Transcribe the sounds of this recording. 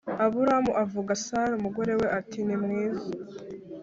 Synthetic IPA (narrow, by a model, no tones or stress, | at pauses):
aβuɾamuʔavuɡasaɾumuɡo̞ɾe̞we̞ʔatinimŋiːza